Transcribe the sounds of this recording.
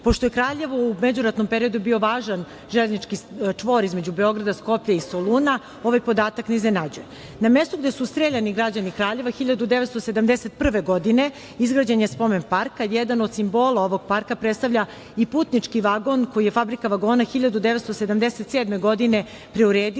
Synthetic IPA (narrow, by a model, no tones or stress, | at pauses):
po̞ʃt̪ojekɾaːʎe̞ʋo̞umed͡ʑuɾat̪no̞mpe̞ɾiod̪ubio̞ʋaːʒan | ʒelʲnit͡ʃkit͡ʂʋo̞ːɾizme̞d͡ʑubeo̞ɡɾad̪asko̞pʎaisolˠuna | o̞ʋajpo̞d̪aːt̪akneiznenad͡ʑuje | namest̪oɡd̪esust̪ɾeʎaniɡɾad͡ʑanikɾaːʎe̞ʋaxiʎad̪ud̪eʋet̪st̪osed̪amd̪eset̪̚pr̩ʋeɡo̞d̪ine | izɡɾad͡ʑeɲespo̞menpaɾkajɛd̪ano̞d̪simbo̞ːlˠao̞ʋo̞ɡ̚paɾkapɾt̪st̪aʋʎa | ipuːt̪nit͡ʂkiʋaɡo̞nkojijefabɾikaʋaɡo̞ːnaxiʎad̪ud̪eʋet̪st̪osed̪amd̪eset̪seːd̪me̞ɡo̞d̪ine | pɾe̞uɾeːd̪i